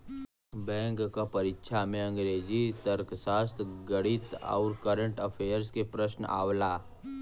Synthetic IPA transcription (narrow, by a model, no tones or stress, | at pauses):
bɛ̃ːŋkːapɐɾɪkʃʰamẽə̃ŋɡɾeːd͡ʒit̪əɾksaːst̪ʰɡəɽɪt̪a̰ːɾkəɾə̃ɳʈəpʰeːəɾskepɾəʃna̰ːwlaː